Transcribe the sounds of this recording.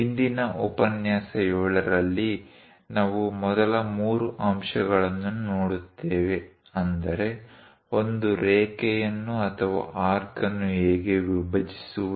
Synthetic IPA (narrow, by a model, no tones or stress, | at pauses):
ind̪inɐʔɔpɐnjaːsɐjoːɭɐɾɐlːi | naːʋumɔd̪ɐlɐmuːɾuʔɐmʂɐɡɐɭɐnːunoːɽut̪ːeːʋe̞ | ɐnd̪ɐɾe̞ | o̞nd̪uɾeːkɛjɐnːuɐt̪ʰɐʋa̰ːʔaːɾkɐnːueːɡe̞ʋibʱɐd͡ʒisu